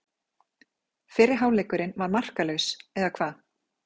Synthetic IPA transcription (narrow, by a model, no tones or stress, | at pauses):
fɪːɾɪɾ̥ɦaːwlɛjkʏɾɪnvaɾmar̥kalœɥsɛðakʰv̥aːð